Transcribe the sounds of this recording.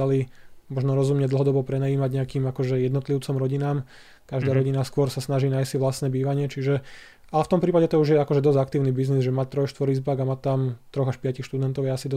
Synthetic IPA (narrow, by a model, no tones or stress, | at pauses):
alimɔʒnɔɾɔzumɲɛd̪l̩ɦɔd̪ɔbɔpɾɛnajiːmaɟɲɛakiːmakɔʒɛjɛd̪nɔt̪liʊt͡sɔmɾɔɟinaːm | kaʒd̪aːɾɔɟinaskʊɔɾsasnaʒiːnajsiʋlasnɛːbiːʋaɲɪɛt͡ʃiʒɛ | alɛft̪ɔmpɾiːpaɟɛt̪ɔuʒjɛakɔʒɛd̪ɔzɟak̚t̪iːʊnibiznizʒɛmaːt̪ɾɔjʃt̪ʋɔɾizbaɡamaːt̪amt̪ɾɔɣaʃpɪacixʃt̪ud̪ɛnt̪ɔʊjɛasid̪ɔ